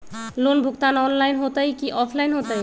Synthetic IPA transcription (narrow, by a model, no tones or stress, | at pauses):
lonbʱʊkt̪anɔnlainɦot̪aikiʔɔpʰlainɦot̪ai